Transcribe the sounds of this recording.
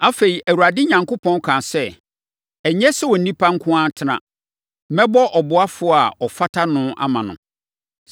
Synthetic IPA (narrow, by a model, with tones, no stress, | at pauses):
a˦fe˨i˨ʔæ˨wu˨a˨dɪ˦ɲã˨ŋkʊ˦pʰɔ̃˦n˦kʰã˨sɛ˦˨ | ɛ˨ɲɛ̃˦sɛ˦wɔ˨n̩˨nĩ˦pʰa˦ŋ̩˦kʰʊ̃˦ã˦tʰɪ˦nã̰˨˦ | mɛ̃˦bɔ˦ʔɔ˨bʊ˨a˦fʊ˦a˨ɔ˨fa˦tʰa˦nʊ̃˦ʔa̰˦mã˨nʊ̰̃˨